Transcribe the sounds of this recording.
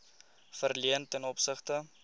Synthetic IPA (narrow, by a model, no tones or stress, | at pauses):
fərliəntənɔpsəχtə